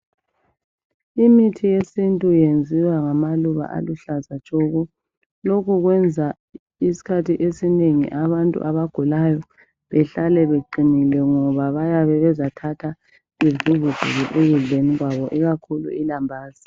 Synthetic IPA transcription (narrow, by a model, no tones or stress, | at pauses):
imitʰijesintʼujend͡zʱiwaŋamaluβa̰ʔa̰luɬazat͡ʃʼɔɣɔ | lokuɣwɛnd͡zʱa | isi̥kʰatʰiʔesineŋḭʔaβantʼṵʔaβaɡ̥ʱulajɔ | βɛɬalɛβeǃinilɛŋɔβaβajaβɛβɛzatʰatʰa | ivuvuɡ̥ʱṵɣiʔeɣuɮeniɣwaβɔʔiɣakʰulṵilambʱaːz̥i